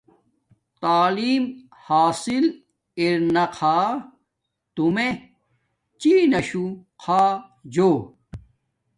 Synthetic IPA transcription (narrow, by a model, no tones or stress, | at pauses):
t̪aːliːm | haːsil | iɾnɐqʰaː | t̪ume | t͡ɕiːnɐɕuqʰaː | d͡ʑoː